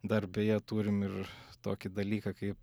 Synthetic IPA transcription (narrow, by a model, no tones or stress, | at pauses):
d̪ɐrbʲeːjɛt̪uːɾʲɪmɪrt̪oːkʲɪd̪ɐlʲiːkɐkɐɪp